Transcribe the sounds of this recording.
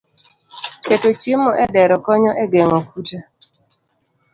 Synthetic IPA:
ketot͡ʃemɔʔɛdɛɾɔkɔɲɔʔɛɡeŋɔkuta

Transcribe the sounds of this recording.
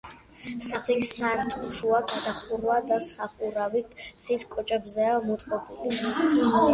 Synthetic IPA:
saχlisaɾt̪ʰuʃuaɡad̪aχuɾwad̪asaχuɾaviʁiskʼɔt͡ʃʼɛbzɛamɔt̪ʼqʼɔbuliia

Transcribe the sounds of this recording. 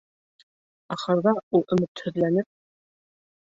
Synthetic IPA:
ɑχɤ̆ɾðɑulˠʔɵ̆mɘt̪hɵ̆ðlænɘp̚

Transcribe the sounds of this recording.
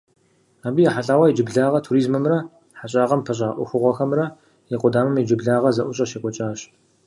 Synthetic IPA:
aːbiːjaħaɬʼaːwɐid͡ʒɪbɮaːʁɐtʰuɾiːzmɨmrɐ | ħaɕʼaːʁɐmpʰɐɕʼaːʔʷʊxʷʊʁʷɔxɐmrɐ | jiqʷʊdaːmɨmid͡ʒɨbɮaːʁɐzɐʔʷʊɕʼɐʃekʷʼɔt͡ʃʼaːɕ

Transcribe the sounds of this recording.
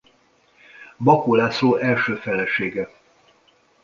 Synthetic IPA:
bɒkoːlaːsoːʔɛlʃøːfɛlɛʃeːɡɛ

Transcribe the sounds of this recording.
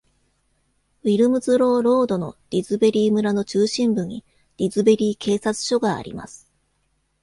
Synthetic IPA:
βʲiɾɯ̟mɯ̟zɨɾo̞ːɾo̞ːd̪o̞no̞ɾ̥ʲizɨbe̞ɾʲiːmɯɾano̞t͡ɕɨːɕĩmbɯ̟ɲ̟i | ɾ̥ʲizɨbe̞ɾʲiːkʰe̞ːsat͡sɨ̥ɕo̞ɡa̰ːɾʲḭma̰sɨ̥

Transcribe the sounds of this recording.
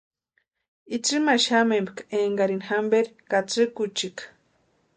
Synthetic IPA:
it͡sɨmaʃamembkaeŋɡaɾinxambeɾkat͡sɨkut͡ʃik

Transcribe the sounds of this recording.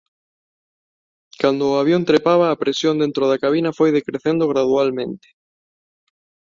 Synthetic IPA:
kand̪ʊːaβjont̪ɾepaβɐːpɾesjond̪ẽnt̪ɾoðakaβ̞inɐfojðekɾeθend̪ʊɣ̞ɾaðualmẽnt̪ɪ̥

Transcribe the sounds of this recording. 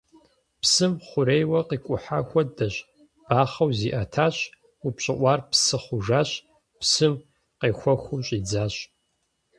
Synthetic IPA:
psɨmχʷʊɾejwɐqiːkʷʼʊħaːxʷɔdɐɕʼ | b̥aːχɐwziːʔɐtʰaːɕ | upɕʼɪʔʷɑːrpsɨχʷʊʐaːɕ | psɨm | qeːxʷɐxʷuɕʼiːd͡zaːɕ

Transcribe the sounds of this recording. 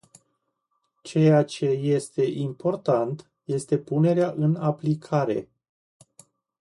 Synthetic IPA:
t͡ʃe̞jat͡ʃe̞je̞st̪e̞ʔimpo̞rt̪ant̪ | je̞st̪e̞pune̞ɾeaʔɨnaplikʰaɾe̞̰

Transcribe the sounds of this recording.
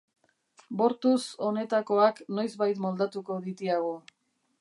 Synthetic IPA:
bo̞ɾt̪uso̞ne̞t̪ako̞akno̞jzβajt̪mo̞ld̪at̪uko̞ðit̪iaɣ̞o

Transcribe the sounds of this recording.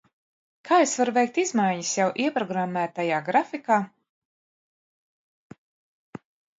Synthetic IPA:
kʰaːesvaɾuvɛjk̚t̪izmajɲisjawʔiɛpɾɔɡɾamːæːt̪ajaːɡɾafikaː

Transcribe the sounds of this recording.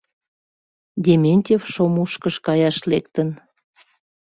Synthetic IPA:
d̪ʲemʲenʲtʲefʃomuʃkəʃkɑjɑʃlekt̪ən

